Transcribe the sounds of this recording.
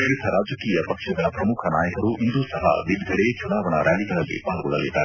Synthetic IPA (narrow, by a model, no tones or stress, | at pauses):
iɾit̪ʰɐɾaːd͡ʒɐkiːjɐpɐkʂɐɡ̪ɐɭɐpɾɐmukʰɐna̰ːjɐkɐɾuʔind̪uːsɐɦɐ̰ʋid̪ɡʱɐɽet͡ʃunaːʋɐɳɐ̰ɾaːliɡɐɭɐlːḭpaːɾɡɔɭɐlːid̪ːaːɾe